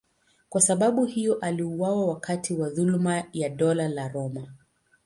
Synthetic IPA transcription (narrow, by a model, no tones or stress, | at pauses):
kwasaɓaɓuhijɔʔaliuwawawakʰatiwaðulmajaɗɔlalaɾɔma